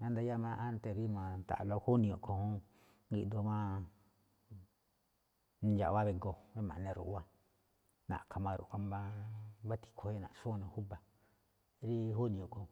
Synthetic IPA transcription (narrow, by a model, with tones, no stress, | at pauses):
ã˦nd̪a˧ja˦mã˧ʔa˦nt̪e˧˨ɾi˦mã˨t̪a̰˨ʔlo˧hu˦nĩ˧o˨ko˧hũ˦ | ŋɡi˧d̪o˧mã˦˧ | d͡ʒa̰˨βa˦βe˧ŋɡo˧βe˦mã̰˨nẽ˧ɾṵ˨ʔwa˦ | nã̰˨kʰa˧mã˧ɾṵ˨ka˦mbã˧βa˦t̪i̥˨kʰo˧˦e˦nã̰˨ʔʃu˦˧˨nã˧˨hu˦ba˧ | ɾi˦hu˦nĩ˧õ˨ko˨˧